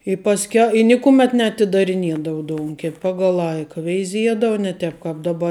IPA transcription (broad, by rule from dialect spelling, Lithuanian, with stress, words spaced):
ɪ pɐsʲˈkʲɛ ɪ ˈnʲɪkʊmʲɛt nʲɛɐtʲɪdɐrʲɪˈnʲiɛdɐʋʊ ˈdoːʊŋʲkʲɛp ˈpɑːɡɐlˠ ˈlˠɐɪkɐ ʋʲɛɪˈzʲiɛdɐʋɐ nʲɛ ˈtʲɛp kɐp dɐˈbɐ ɪ